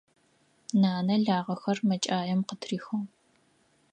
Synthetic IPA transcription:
naːnɐɮaːʁɐxɐrmɐt͡ʃʼaːjɐmqətʰriːxɐw

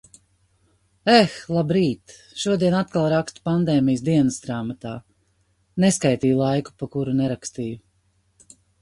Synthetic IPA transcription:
ɛxlˠabɾiːt̪ | ʃuɔd̪iɛnat̪̚kalˠɾakst̪u̥pand̪ɛːmijsd̪iɛnəsd̪ɾaːmat̪aː | neskajt̪iːjlˠajku̥pakuɾunɛɾakst̪iːju

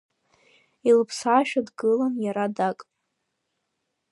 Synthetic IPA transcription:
ilɨpʰsaʃᶣadɡɨlanjaɾadakʼ

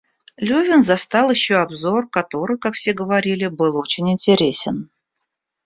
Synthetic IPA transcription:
lʲuvʲɪnzɐst̪ɑlˠɪɕːoɐbzo̞rkɐt̪o̞ɾɨjkakfsʲe̞ɡəvɐɾʲilʲɪbɨlˠo̞t͡ɕɪnʲɪnʲtʲɪɾʲesʲɪn

